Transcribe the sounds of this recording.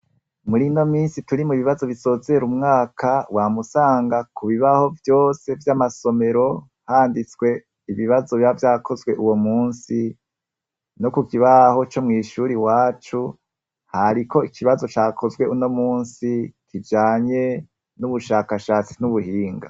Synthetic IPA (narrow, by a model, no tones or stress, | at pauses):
muɾino̞miːnsituɾimuβiβazo̞βiso̞ːzeeɾumŋaːkʰawamusaːŋɡakuβiβaho̞vjo̞ːse̞vjamaso̞me̞ɾo̞ | haːndit͡sɡwe̞ | iβiβazo̞βavjaːkʰo̞zwe̞ʔuwo̞muːnsi | no̞kukiβaho̞t͡ʃo̞mŋiːʃuːɾiwaːt͡ʃu | haɾiko̞ikʰiβazo̞t͡ʃaːkʰo̞zwe̞ʔuno̞muːnsikʰid͡ʒaːɲe̞ | nuβuʃaːkaʃaːt͡sin̥uβuhiːŋɡa̰